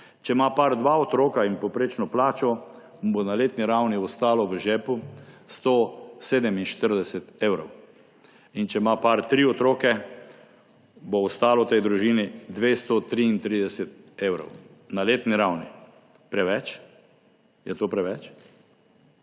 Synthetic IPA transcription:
t͡ʃɛmapaɾd̪ʋaɔt̪ɾoːkainpɔwpɾeːt͡ʃnɔplaːt͡ʃɔ | bonaleːt̪niɾawniɔst̪aːlɔʋəʒɛːpust̪oseːd̪ɛminʃt̪əɾd̪ɛsɛt̪eːwɾɔw | int͡ʃɛmapaɾt̪ɾiɔt̪ɾoːkɛ | boːst̪aːlɔwt̪ɛjd̪ɾuʒiːnid̪ʋeːst̪ot̪ɾiːnt̪ɾiːd̪ɛsɛt̪ | eːwɾɔ̰w | naleːt̪niɾawnḭ | pɾɛʋɛt͡ʃ | jɛt̪oːpɾɛʋɛt͡ʃ

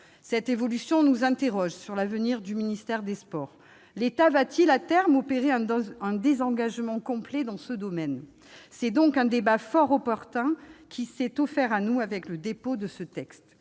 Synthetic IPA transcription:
sɛt̪evɔlysjɔ̃nuzɛ̃t̪eʁɔʒsyʁlavəniʁd̪yminist̪ɛʁd̪espɔʁ | let̪avat̪ilat̪ɛʁmɔpeʁeɛ̃ɛ̃d̪ezɑ̃ɡaʒmɑ̃kɔ̃plɛd̪ɑ̃səd̪ɔmɛn | sɛd̪ɔ̃kɛ̃d̪ebafɔʁɔpɔʁt̪ɛ̃kʲʰisɛt̪ɔfɛʁanuavɛkləd̪epod̪əsət̪ɛkst̪

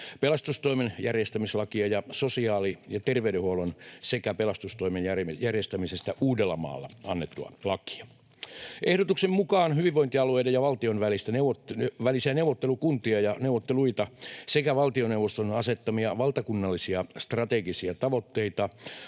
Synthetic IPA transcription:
pelɑst̪ust̪oimenjærjest̪æmislɑkiɑjɑsosiɑːlijɑt̪erʋeydehuolonsekæpelɑst̪ust̪oimenjærjærjest̪æmisest̪æʔuːdelːɑmɑ̰ːlːɑ̰ɑnːet̪ːuɑ̰lɑki̥ɑ̥ | ʔehdot̪uksemmukɑːnhyʋiʋʋoint̪iɑlueidejɑʋɑlt̪ionʋælist̪æneuoʋælisiænewʋot̪ːelukunt̪iɑjɑneuʋot̪ːeluit̪ɑsekæʋɑlt̪ioneuʋost̪onɑset̪ːɑmiɑʋɑlt̪ɑkunːɑlːisiɑst̪rɑt̪eɡisiæt̪ɑʋot̪ːeit̪ɑ

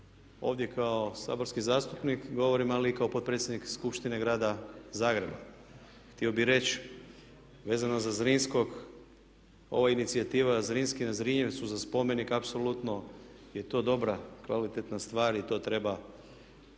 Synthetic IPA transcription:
o̞̰ːʋd̪je̞kʰao̞sa̰ːbo̞ɾskizaːst̪upnikɡo̞ʋo̞ɾimalikao̞pot̪pɾe̞t̪sje̞d̪nikskupʃt̪ine̞ɡɾaːd̪azaːɡɾe̞̰ba̰ | xt̪io̞biɾe̞t͡ʃ | ʋe̞ːzanozazɾinsko̞ɡ | o̞̰ʋainit̪siat̪iːʋazɾinskinazɾiɲeʋsuzaspo̞me̞nikapso̞lut̪no̞je̞t̪o̞ːd̪o̞bɾakʋalit̪et̪nast̪ʋaːɾit̪o̞ːt̪ɾe̞ba

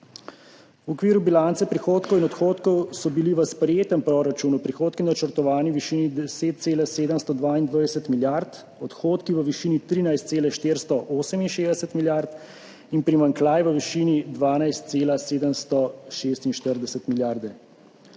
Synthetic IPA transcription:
wɔkʋiːɾubilant̪sɛpɾixoːt̪kɔwinɔt̪xoːt̪kɔwsɔbiliʋəspɾɛjeːt̪əmpɾoɾat͡ʃuːnupɾixoːt̪̚kinat͡ʃəɾt̪ɔʋaːniʋiʃiːnid̪ɛseːt̪̚t̪seːlaseːd̪əmst̪ɔd̪ʋaind̪ʋajɛsət̪miljaɾt̪ | ɔt̪xoːt̪kiʋəʋiʃiːnit̪ɾiːnajst̪seːlɛʃt̪eːɾst̪ɔʔoːsəminʃeːzd̪ɛsət̪miljaɾt̪ | inpɾimaŋklajʋəʋiʃiːnid̪ʋaːnajst̪̚seːlaseːd̪əmst̪ɔʃeːst̪inʃt̪əɾd̪ɛsət̪miljaːɾd̪ɛ

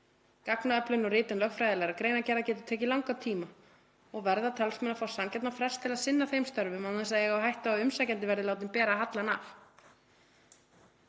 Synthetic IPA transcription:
kaknaœplʏnɔrɪːt̪ʏnlœxfɾajðɪlaɾakɾeːjnacɛɾacɛːt̪ʏ̥t̪ʰɛːcɪlawŋkat̪ʰiːma | ɔɣvɛɾðat̪ʰɛlsmɛnafawsamcɛt̪nafɾɛl̥st̪ʰɪlaðsɪnːaθejmst̪œɾvʏmaɛs̬aðjɛɣawɦajht̪aɔʏmsajcant̪ɪvɛɾðɪlawt̪ɪmpɛːɾaɦat̪lana̰ːf

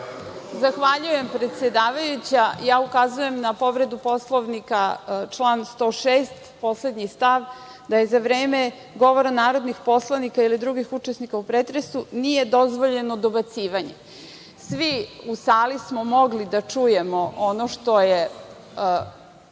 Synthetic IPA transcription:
zaxʋaʎuje̞mpɾet̪sʲjed̪aːʋajut͡ɕajaːukazuje̞mnapo̞ʋɾe̞d̪upo̞slˠoʋnikat͡ʂlˠaːnst̪o̞ːʃeːst̪po̞sled̪ɲist̪aʋ | d̪ajezaʋɾeːme | ɡo̞ʋoɾanaːɾo̞d̪nixpo̞slˠanikailid̪ɾuɡixut͡ʂesnikaupɾet̪ɾesunijed̪o̞zʋoʎe̞nod̪o̞bat̪siːʋaɲḛ | sʋiusaːlismomo̞ɡlid̪at͡ʂuje̞mo̞ʔonoʃt̪o̞je

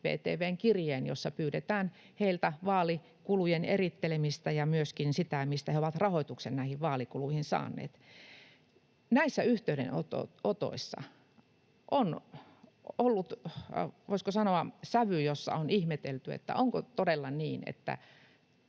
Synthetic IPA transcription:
ʋḛːt̪ḛːʋeːŋkirjeːnjo̰sːɑpyːɾet̪æːn | heilt̪æʋɑːli | kulujenerit̪ːelemist̪ɑjɑmyøskinsit̪æmist̪æheoʋɑt̪rɑhoit̪uksennæihiʋʋɑːlikuluihinsɑ̰ːnːˑḛːt̪ | næisːæyht̪eyɾḛnot̪o̰ot̪o̰isːɑ̰ | ʔon | olːut̪ | ʋoiskosɑnoɑsæʋyjosːɑ̰onihmet̪elt̪yḛt̪ːæ̰oŋkot̪odelːɑniːnḛt̪ːæ̰

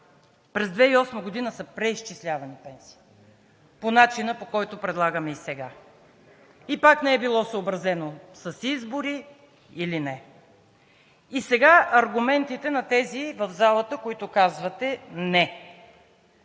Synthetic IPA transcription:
pɾɛzd̪vɛiɔsməɡod̪inəsəpɾɛiʃt͡ʃislʲavɐnipɛnsi̥ː | ponat͡ʃinəpokɔjt̪opɾɛd̪lˠaɡəmɛisɛɡa | ipaknɛɛbilˠɔsəobɾɐzɛnosəsizboɾi | ilinɛ | isɛɡaɐɾɡʊmɛnt̪it̪ɛnɐt̪ɛzivəvzalˠət̪əkoit̪okazvɐt̪ɛnɛ

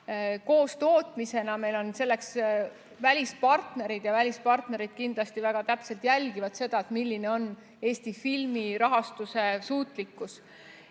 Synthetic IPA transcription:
ko̞ːst̪o̞ːt̪ˑmise̞nɑme̞jlo̞nse̞lːe̞ks | vælʲispɑrt̪ne̞ɾid̪̥jɑvælʲispɑrt̪ne̞ɾid̪̥kind̪lɑst̪ivæɡ̥ɑt̪æpse̞lt̪jælʲɡ̥ivɑd̪se̞d̪̥ɑet̪milːineo̞n | e̞ːsʲt̪ifilmiɾɑɦɑst̪use̞suːt̪ˑlikːˑus

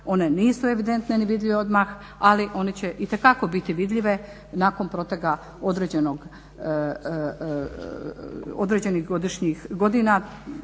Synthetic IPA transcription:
o̞neniːsue̞ʋid̪e̞nt̪neniʋid̪ʎʲiʋeo̞d̪max | aliʔo̞net͡ɕe̞ʔit̪e̞kako̞bit̪iʋid̪ʎʲiʋe̞ | naːko̞npɾot̪eɡa | o̞d̪ɾed͡ʑenoɡ | o̰d̪ɾed͡ʑe̞nixɡo̞d̪iʃɲixɡo̞d̪ina

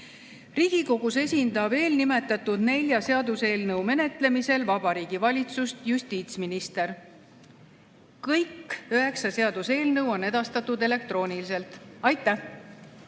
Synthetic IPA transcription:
riːɡ̥iko̞ɡ̥use̞sʲind̪̥ɑb̥e̞ːlnime̞t̪ːˑɑt̪ːud̪̥ne̞lʲjɑse̞ɑd̪use̞ːlnɤwme̞ne̞t̪ˑle̞mise̞lvɑb̥ɑɾiːɡ̥ivɑlʲit̪sust̪jusʲt̪iːt̪sminist̪e̞ɾ | kɤjkːøɦe̞ksɑse̞ɑd̪̥use̞ːlnɤwo̞nːe̞d̪̥ɑst̪ɑt̪ːˑud̪e̞le̞k̚t̪ro̞ːnilis̬e̞lt̪ˑɑjt̪ːˑæh

